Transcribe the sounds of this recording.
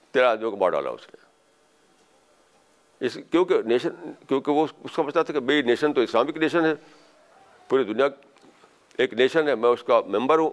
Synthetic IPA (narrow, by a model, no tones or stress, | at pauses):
t̪eːɾaːd̪jõkma̰ːɖa̰ːla̰ːʊ̰snḛ | ɪskjõːkeneːʃənkjõːkeʋoʊssɐməd͡ʒnat̪ʰakemeːineːʃənt̪õɪslaːmɪkneːʃənɦɛ | puːɾid̪ʊnija | eːkneːʃənɦɛmɛ̃ʊskamɛ̃mbəɾɦũː